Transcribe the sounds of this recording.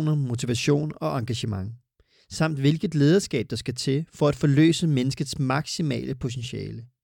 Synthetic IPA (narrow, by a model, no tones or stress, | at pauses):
nɐmo̝t͡sʰiʋæɕo̝̰ːnɒ̽ʔɑ̈ŋɡ̥æɕəmɑ̈ŋ | sɑ̈m̰d̥ʋe̝lɡ̥ð̩ˠle̝ːð̞ˠɐsɡ̥ɛ̰ːb̥̚d̥ɑ̈sɡ̥æt͡sʰe̝fɒ̽æd̥fɒ̽lø̰ːsəmenəsɡ̥ð̞̩ˠsmɑ̈ɡ̥simɛ̰ːlʔəpʰo̝t͡sʰenɕɛ̰ːlə